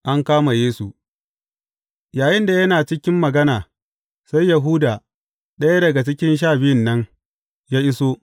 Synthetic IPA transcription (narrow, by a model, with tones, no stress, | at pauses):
ʔa˦ŋkaː˦ma˨jeː˦su˨ | jaː˨jɪ˦nda˨jɐ˦naː˨t͡ʃɪ˦kʲɪ˦mːɐ˨ɡɐ˦naː˨ | sa˦jːɐ˨ɦuː˦daː˨ | ɗɐ˦ja˦dɐ˨ɡa˨t͡ʃɪ˦kʲɪ˦nʃ̬aː˦˨bɪ˦jɪ˨nːɐ˦ŋ | jaː˦ʔɪ˦soː˦